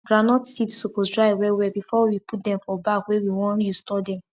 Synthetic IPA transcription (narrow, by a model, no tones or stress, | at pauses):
ɡ̥ɹanɔtsitsokosdɹaɪwɛwɛbifɔwipʰut̚dɛ̃mfɔbakwɛwiwɔ̃njustɔdɛ̃m